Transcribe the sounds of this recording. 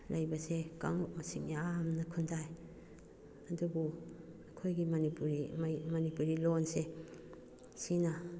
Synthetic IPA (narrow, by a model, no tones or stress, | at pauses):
lʔɐjbɐseka̰ŋuk̚mɐsiŋjaamnɐkʰundaj | ɐdubu | ɐkʰojɡimɐnipuɾimɐnipuɾilonse | sinɐ